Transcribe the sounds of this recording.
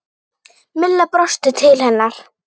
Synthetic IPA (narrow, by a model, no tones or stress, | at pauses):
mɪlːapɾɔʂt̪ət̪ʰɪlhɛnːaɾ̥